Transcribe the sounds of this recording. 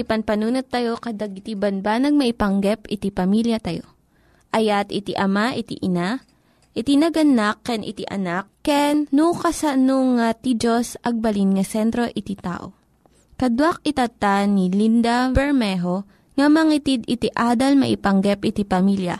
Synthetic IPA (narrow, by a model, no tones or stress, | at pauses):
ipɐnpɐnuːnot̪ːɐjo̞kɐd̪ɐɡ̚ɪt̪ibɐnbanɐɡ̚mɐʔipɐŋɡɛpɪt̪ipɐmiljɐt̪ɐjo̞̰ | ʔɐjat̪ɪt̪iʔɐmaʔɪt̪ḭʔɪna | ʔɪt̪inɐɡɐnakːɛnʔɪ̰t̪iʔɐ̰nakkːɛnːukɐsɐnoŋat̪id͡ʒosʔɐɡ̚bɐlinŋɐsɛnt̪ɾo̞ʔɪt̪it̪a̰ːʔo̰ | kɐd̪wak̚ɪt̪ɐt̪anilind̪ɐbɛɹmɛɦo̞ | ŋɐmɐŋit̪id̪ɪt̪iʔaːd̪ɐlmɐʔɪpɐŋɡɛpʔɪt̪ipɐmiljɐ̰